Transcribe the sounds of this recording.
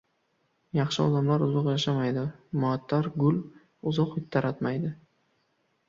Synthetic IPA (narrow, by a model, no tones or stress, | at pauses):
jɑχʃɪɒ̰d̪amlaɾʊzɒqjaʃamajd̪ɪmʊat̪ʰːaɾɡʊl | ʊzɒqɪt̪ʰːaɾat̪majd̪ɪ